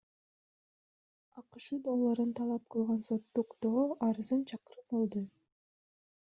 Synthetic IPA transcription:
ɑqɯʃɯd̪olˠːoɾunt̪ʰɑlˠɑp̚qʰɯlˠʁɑnso̞t̪ːuqd̪̥oːɑɾɯzɯnt͡ʃʰɑqɯɾɯp̚bɑlˠd̪ɯ

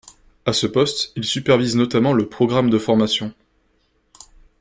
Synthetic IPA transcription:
asəpɔst̪ilsypɛʁviznɔt̪amɑ̃ləpχɔɡʁamd̪əfɔʁmasjɔ̃

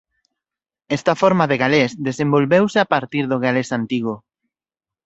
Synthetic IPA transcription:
ɛst̪afoɾmaðeɣalesðesẽmbolβewsɪapaɾt̪iɾðoɣalesant̪iɣ̞o

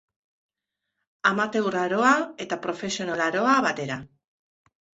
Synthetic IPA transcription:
amat̪ewraɾoaet̪apɾofe̞sjonolaɾoaβat̪e̞ɾa

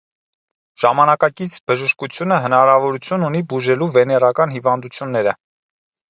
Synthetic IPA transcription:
ʒ̥ɑmɑnɑkɑkit͡sʰbəʒəʃkut͡sʰjunəɦənɑɾɑvɔɾut͡sʰjununibuʒɛluvɛnɛrɑkɑnɦivɑnd̪ut͡sʰjunːɛɾə

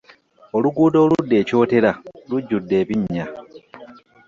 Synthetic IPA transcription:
o̞luɡuːdo̞ːludːe̞ːco̞ːte̞laluɟːudːe̞ːβiɲːa

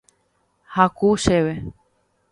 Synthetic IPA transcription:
hakuʃeβe

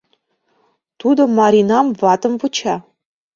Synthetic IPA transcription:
t̪ud̪ŏmɑɾʲinɑmvɑt̪ɤ̆mvut͡ɕɑ

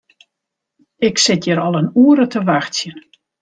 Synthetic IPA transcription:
ɪksɪtjəɾɔlˠənuəɾətʰəʋaxsjən

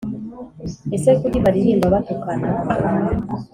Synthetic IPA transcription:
esekudiβaɾiniːndaβatukana

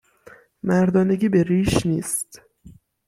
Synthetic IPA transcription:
mæɾd̪ɒːne̞ɡiːbe̞ɾiːʃniːst̪

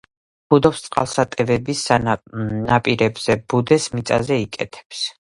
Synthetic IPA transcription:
bud̪ɔpst̪sʼqʼa̰lˠsat̪ʼɛvɛbisanapʼiɾɛbz̥ɛbud̪ɛsmit̪sʼa̰zɛikʼɛt̪ʰɛ̥ps

